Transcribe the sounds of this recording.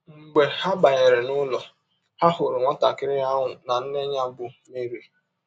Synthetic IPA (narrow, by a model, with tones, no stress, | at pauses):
ŋ͡m̩˨ɡ͡be˨ha˦ba˨ɲe˨ɾe˨nʊ˦lɔ˨ | ha˦ɦʊ˨ɾɪ˨ŋʷɔ˦ta˨kɪ˦ɾɪ˦a˦ŋʊ˨na˨n̩˦ne˦ɲa˦bʊ˦me˦ɾi˨